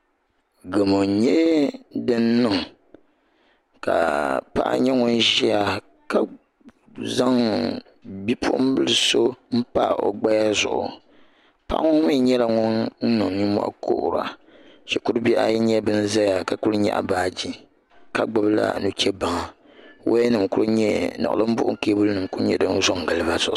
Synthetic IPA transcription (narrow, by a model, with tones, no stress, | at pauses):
ɡɨ˨mo˨ɲɛ˦dɨ˦n˦nɨ˨ŋ | ka̰˨pa̰˦ʔɲɛ˦ŋʊ˦nʒi˦ja˨ | ka˨ | za˦ŋ | bi˦pʰʊ̰˦ʔʊ˦m˦bɨ˦lɨ˨so˦m̩˦pa̰˦˨o̰˨ɡ͡ba˦ja˦zʊ̰˨ʔʊ̰˨ | pa̰˦ʔŋɔ˦ŋ˦mi˦ɲɛ˦la˨ŋɔ˦ŋn̩˦nɨ˨ŋɲi˦mɔ̰˦ʔko̰˦˨ʔʊ̰˨ɾa̰˨ʃɛ˨ku˦ɾɨ˦bi˦ʔa̰˦ji˦ɲɛ˦bɨ˦n̩˦za˦ja˨ka˨ku˦ɾɨ˦ɲɛ̰˦ʔa̰˨baː˨d͡ʒi˦ | ka˨ɡ͡ba˦bla̰˦nu˦t͡ʃɛ˦ba˨ŋa˨ | wʔo̰˦ɛ˦nɨ˨mku˦ɾɨ˦ɲɛ˦na̰˨ʔlɨ˦m̩˦bʊ˦ʔʊ̰˦ke˦bu˦lɨ˦nɨ˨mku˦ɲɛ̰˨dɨ˦n˦zɔ˦ŋ˨ɡɨ˨lɨ˦ba˦zʊ˨